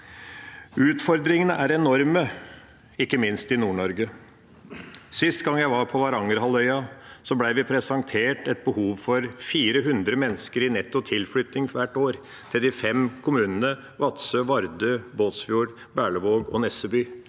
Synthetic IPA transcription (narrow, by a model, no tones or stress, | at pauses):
ʉːt̪fɔɾd̪ɾɪŋənəʔæɾɛnɔɾmə | ɪkːəmɪnst̪ɪnuːɳɔɾɡə | sɪst̪ɡɑŋːjæɪʋɑɾpʰɔʋɑɾɑŋəɾɦɑlœʏɑsɔblæɪʋɪpʰɾɛsɑŋt̪ʰeːʈɛt̪̚bəhuːʋfɔɾfiːɾəɦʉnd̪ɾəmɛnːəskəɾɪnɛt̪ːʊt̪ʰɪlflʏt̪nɪŋʋæʈːoːɾ | t̪ʰd̪ɪfɛmkʰʊmʉːnənə | ʋɑt̪søʋɑɾd̪øːboːt̪sfjuːɾ | bæːɭəʋoːɡɔ̰nɛsəbyː